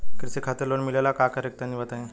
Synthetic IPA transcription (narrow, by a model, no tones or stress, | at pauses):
kəɾsekʰat̪əɾloɳmilalakakəɾek̚t̪aniʋəat̪aɦẽ